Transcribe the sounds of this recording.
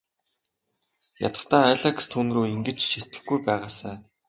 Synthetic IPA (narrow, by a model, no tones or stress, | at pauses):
ja̰t̪ə̥̆χt̪aːaɮakst̪ʰunɵ̆roːiŋɡɘ̆t͡ɕʃiɬt̪ɘ̆xɡujpæːʁaːsæː